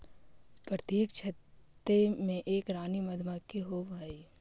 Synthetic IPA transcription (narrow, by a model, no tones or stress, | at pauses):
pɾət̪jeːkt͡ʃʰɐt̪ːemẽʔeːkɾaːnimɐd̪ʱmakːeɦobʱaːiː